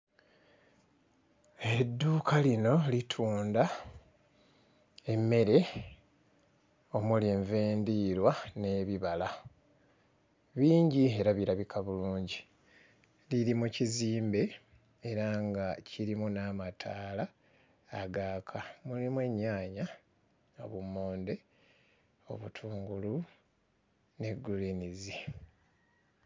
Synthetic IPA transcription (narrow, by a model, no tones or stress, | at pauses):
e̞dːuːkʰalino̞litʰuːnda | e̞mːe̞ɾe̞ | o̞muleːɱveːndiːɾwane̞βiβala | βiːɲɟie̞ɾaβiɾaβikʰaβuluːɲɟi | liɾimuciziːmbe̞ː | ɾaŋɡaciɾimunamatʰaːlaː | ɡaːkʰamulimwe̞ɲːaːɲa | o̰βumːo̞ːnde̞ | o̞̰βutʰuːŋɡulu | ne̞ɡːulinizi